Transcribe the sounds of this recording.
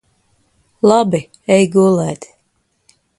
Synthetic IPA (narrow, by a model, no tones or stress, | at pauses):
lˠabi | ɛjɡuːlˠɛːt̪